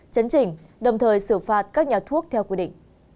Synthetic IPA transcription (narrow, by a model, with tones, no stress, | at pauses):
t͡ɕə˨˦nt͡ɕï˧˩ŋ̟ɗə˨˩wŋ͡mt̪ʰəː˨˩jsɨ˧˩faː˨˩t̚kaː˦˥k̚ɲaː˨˩t̪ʰu˦˥ək̚t̪ʰɛ˧wkwi˧ɗḭ̈˧˨ŋ̟